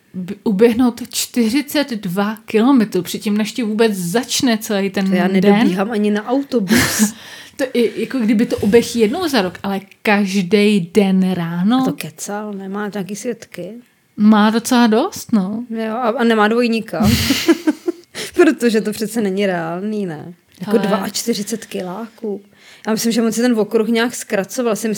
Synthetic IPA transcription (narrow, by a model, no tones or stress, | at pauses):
bɪʔubjɛɦno̞wt̪t͡ʃt̪ɪr̝ɪt͡sɛd̪dvakɪlo̞mɛt̪ɾuːpr̥ɪt̪̚cimnɛʃcɛvuːbɛt͡szat͡ʃnɛt͡sɛlɛjt̪ɛnjaːnɛdoɛbniːɦaːmʔaɲɪnaʔawt̪obust̪oʔɪjakoɡdɪbɪt̪oʔobjɛxijɛdno̞wzaɾokʔalɛkaʒdɛjdɛnɾaːno̞t̪okɛt͡salnɛmaːɲaːkiːsvjɛt̪kɪ | maːdo̞t͡sɛlado̞st̪nojoʔaanɛmaːdvo̞jɲɪkam | pɾot̪oʒɛt̪opr̥ɛt̪t͡sɛnɛɲɪɾɛaːlniːnɛ̰ | jakodvaʔat͡ʃt̪ɪrɪt͡sɛt̪kɪlaːkuː | jaːmɪslɪmʒɛmot͡sjɛt̪ɛnvokɾuxɲaːkskɾat͡sovalsɪmɪ